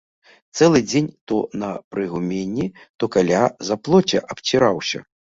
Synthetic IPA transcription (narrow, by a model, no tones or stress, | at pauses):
t̪sɛlˠɨd͡zʲenʲt̪ɔnɐpɾɨɣumʲenʲːi | t̪ɔkalʲazɐplˠɔt͡sʲɐ̰ʔɐpt͡ɕʲiɾawsʲɐ̰